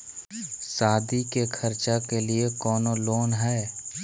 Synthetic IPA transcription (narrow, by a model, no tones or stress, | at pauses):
saːd̪ikekʰɐɾt͡ʃakeliekɔːnoloːnɦɛː